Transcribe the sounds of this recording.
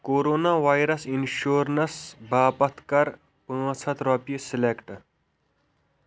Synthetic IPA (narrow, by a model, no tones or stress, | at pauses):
koːɾoːnaːʋaːjɾɐsinʃoːɾnɐsbaːpɐt̪ʰkɐɾ | pə̃t͡sʰɐt̪ɾɔpijesilekʈ